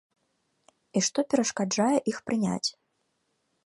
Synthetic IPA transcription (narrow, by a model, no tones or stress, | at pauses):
iʂt̪ɔpʲɛɾɐʂkad͡ʐajɛʔixpɾɨnʲa̰t͡sʲ